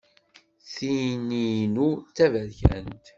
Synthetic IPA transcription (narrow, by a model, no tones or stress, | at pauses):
θininut͡sːævæðçæ̰nt̪